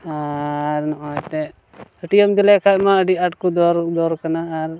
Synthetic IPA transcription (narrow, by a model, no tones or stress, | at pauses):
aɾnɔʔɔt̪ɛ | əʈijɔmd̪ilɛkʰajmaəɖiaʈ̚kud̪ɔɾd̪ɔɾkanaːɾ